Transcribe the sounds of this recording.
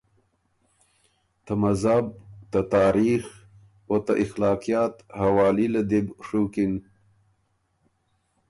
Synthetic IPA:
t̪amazab̚t̪at̪ɑːɾix | wot̪aʔɪxlɑːqijɑt̪hawɑːlilad̪ibʂukin

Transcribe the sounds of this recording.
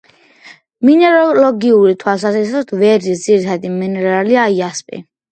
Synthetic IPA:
minɛɾɔlɔɡiuɾit̪ʰwalsazɛɾsɔt̪ʰvɛɾisd̪ziɾit̪ʰad̪iminɛɾaliaiaspʼḭ

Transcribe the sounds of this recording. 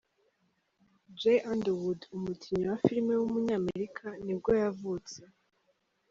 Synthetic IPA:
d͡ʒejʔandewudumukʰiɲowafiɾme̞wumuɲaːmeɾikʰanibɡo̞javut͡se

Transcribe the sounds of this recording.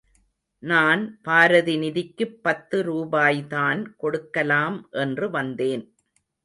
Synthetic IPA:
naːnpaːɾɐðɪnɪðɪkːɯpːɐt̪ːɯɾuːbaːjðaːnkɔɽɯkːɐlaːmʔɛndrɯʋɐnd̪eːn

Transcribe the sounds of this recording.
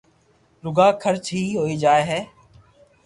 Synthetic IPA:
ɾʊɡaːkʰəɾt͡ʃɦiːɦoːiːd͡ʒaːeːɦɛː

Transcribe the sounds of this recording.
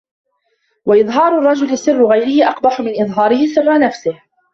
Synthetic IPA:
waʔɪðˤɦɑːɾˤʊrˤːɑd͡ʒʊlɪsɨrːʊɣajɾɪhɪʔɑqbɑħʊmɪnʔɪðˤɦɑːɾɪhɪsɨrˤːɑnafsɪh

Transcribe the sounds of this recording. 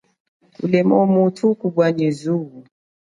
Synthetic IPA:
ṵlɛmɔmutʰukuɓwaɲizuɣu

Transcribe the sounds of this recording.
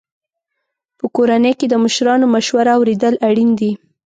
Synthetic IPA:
pəkoɾanəjked̪əməʃɾɑnomaʃwaɾaːwɾed̪əlaɽind̪i

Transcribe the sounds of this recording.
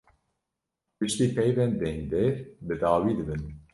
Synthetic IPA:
pɨʃt̪iːpʰɛjvɛnd̪ɛ̃ŋɡd̪ɛɾbɨd̪aːwiːd̪ɨbɨn

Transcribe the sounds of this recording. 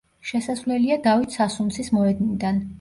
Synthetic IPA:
ʃɛsasvlɛliad̪avit̪ʰsasunt̪sʰismɔɛd̪nid̪an

